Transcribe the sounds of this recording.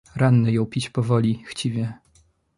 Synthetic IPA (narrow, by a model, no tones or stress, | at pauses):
ɾanːɘjɔ̃w̃pʲit͡ɕpɔvɔlʲixt͡ɕivʲjɛ